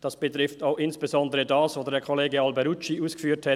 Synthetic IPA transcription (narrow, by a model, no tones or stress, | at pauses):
d̥ɑsb̥ətʁɪftaʊxɪnsb̥əzɔndəɾədɑːsʋoːdədɛːkʰoleːɡəɑlbɛɾut͡ʃiuːsɡə̥fyːtʰhɛ